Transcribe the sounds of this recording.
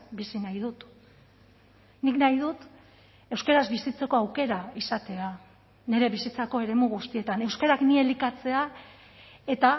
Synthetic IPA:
bisinajðut̪ | niknajð̞ut̪ | e̞wskeɾazβisit͡se̞ko̞awke̞ɾaisat̪e̞a | ne̞ɾe̞βisit͡sako̞e̞ɾe̞muɣust̪ie̞t̪ane̞wskeɾaknie̞likat͡se̞a | e̞t̪a

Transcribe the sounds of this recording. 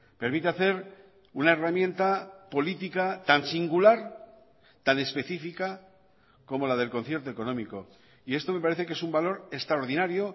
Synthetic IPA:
pe̞ɾmit̪eaθe̞ɾ | unae̞ramjẽ̞nt̪apo̞lit̪ikat̪ansiŋɡulaɾ | t̪ane̞spe̞θifika | ko̞mo̞lað̞e̞lko̞nθje̞ɾt̪oe̞ko̞nõ̞miko̞ | ie̞st̪o̞me̞paɾe̞θe̞ke̞sumbalo̞ɾe̞kst̪ɾaoɾðinaɾjo̞

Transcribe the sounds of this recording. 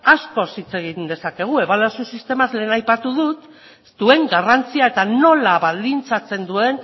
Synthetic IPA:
asko̞sit͡se̞ɣind̪e̞sake̞ɣ̞ue̞βalasusist̪e̞mazle̞ːnajpat̪uðut̪ | d̪̥ue̞ŋɡarant͡siae̞t̪ano̞laβald̪int͡sat͡se̞nd̪ue̞n

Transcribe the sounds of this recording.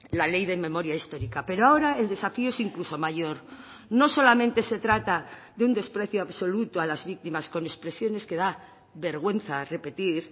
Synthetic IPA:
lale̞jðe̞mẽ̞mo̞ɾjaist̪o̞ɾikape̞ɾoao̞ɾae̞ld̪e̞safioesiŋkluso̞maʝo̞ɾ | no̞so̞lamẽnt̪e̞se̞t̪ɾat̪aðeund̪e̞spɾe̞θjoaβso̞lut̪oalazβik̚t̪imasko̞ne̞spɾe̞sjo̞ne̞ske̞ða | βe̞ɾɣ̞we̞n̟θare̞pe̞t̪iɾ

